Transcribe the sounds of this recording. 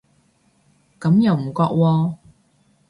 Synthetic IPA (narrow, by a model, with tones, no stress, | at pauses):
kɐ˨˥mjɐ˨˩wm̩˨˩kɔː˧k̚wɔː˧